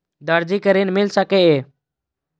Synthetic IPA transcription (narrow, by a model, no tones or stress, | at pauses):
d̪əɾd͡ʒiːkəɾiːnmɪlsəkeːeː